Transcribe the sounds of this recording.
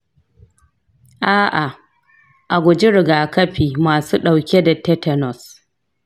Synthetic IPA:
ʔaː˦ʔa˨ | ʔa˨ɡʷʊ˨d͡ʒi˦ɾɪ˨ɡaː˨kɐ˦ɸiː˨maː˨suː˦ɗa˨wkʲe˦da˨tɛ˦tɛ˦˨nɔ˨s

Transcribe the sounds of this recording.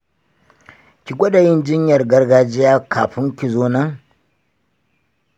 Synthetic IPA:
kʲi˨ɡʷɐ˦da˨jɪ˦nd͡ʒɪ˦ɲjɐ˨rɡɐ˦rɡaː˦d͡ʒɪ˦jaː˦kʰaː˨ɸɪ˦ŋkʲi˨zoː˦nɐ˦ŋ

